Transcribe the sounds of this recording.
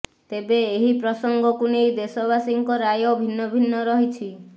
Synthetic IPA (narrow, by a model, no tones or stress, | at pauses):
t̪ebeːɦipɾɔsɔŋɡɔkunejd̪esɔbasiŋkɔɾajɔbʱinːɔbʱinːɔɾɔɦit͡ʃʰi